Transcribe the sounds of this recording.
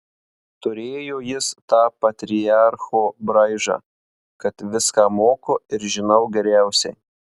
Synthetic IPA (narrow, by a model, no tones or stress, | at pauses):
t̪ʊɾʲeːjoːjɪst̪ɑːpɐt̪ʲɾʲɪjɑɾxoːbɾɐɪʒɑ̰ː | kɐt̪ʋʲɪskɑːmoːkoːɪɾʒʲɪnɐʊɡʲɛɾʲæˑʊsʲɛɪ